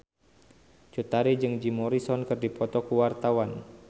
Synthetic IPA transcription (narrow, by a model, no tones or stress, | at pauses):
t͡ʃut̪aɾid͡ʒɨŋd͡ʒimɔɾisɔnkɨrdipɔt̪ɔkuwart̪awan